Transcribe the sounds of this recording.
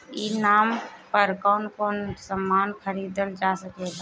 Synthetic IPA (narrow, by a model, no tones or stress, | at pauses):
iːnaːmpəɾkɔːnkoːnsəmːaːnkʰəɾiːd̪əld͡ʒaːsəkeːɡaː